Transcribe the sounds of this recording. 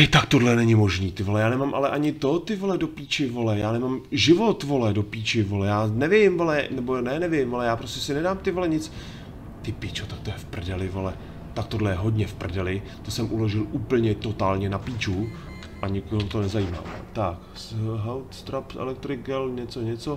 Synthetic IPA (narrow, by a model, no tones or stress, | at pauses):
ɛjt̪akt̪odlɛnɛɲɪmo̞ʒniːt̪ɪvo̞lɛjaːnɛmaːmʔalɛʔaɲɪt̪ot̪ɪvolɛdo̞piːt͡ʃɪvo̞lɛjaːnɛmaːmʒɪvo̞t̪vo̞lɛdo̞piːt͡ʃɪvolɛjaːnɛvɪmvolɛnɛbonɛnɛvɪmvo̞lɛjaːpɾoscɛsɪnɛdaːmt̪ɪvolɛɲɪt͡s | t̪ɪpiːt͡ʃot̪ak̚t̪ojɛfpr̩dɛlɪvo̞lɛ | t̪ak̚t̪o̞dlɛjɛɦo̞dɲɛfpr̩dɛlɪ | t̪osɛmʔuloʒɪluːpl̩ɲɛt̪o̞t̪aːlɲɛnapiːt͡ʃu | ʔaɲɪkoɦmut̪o̞nɛzajiːma̰ːv̰t̪ak | sɦɛlt̪st̪ɾapsʔɛ̰lɛk̚t̪ɾɪkɛlɲɛt͡soɲɛt͡so